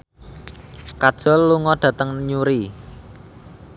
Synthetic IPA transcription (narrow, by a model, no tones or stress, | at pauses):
kad̥ʒ̥ɔ̤lːuŋɔɖ̥ä̤t̪əŋɲuɾi